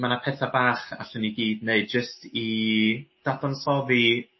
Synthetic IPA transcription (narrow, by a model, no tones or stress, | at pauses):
manapʰɛθabaːχa̰ɬəniɡiːdneɨd̚d͡ʒəstʰi | d̥adɔnsɔvi